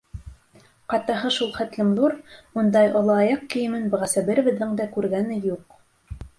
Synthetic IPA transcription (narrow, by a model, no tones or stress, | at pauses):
qɑt̪ɑɦɤʃulˠχæt̪lɘ̆mðuɾund̪ɑjʔŏlˠɑːjɑqkɘ̆jɘ̆mɘnbɤ̆ʁæsæbɘɾɘ̆βɘ̆ðːɘŋd̪ækʉɾɡænɘjuq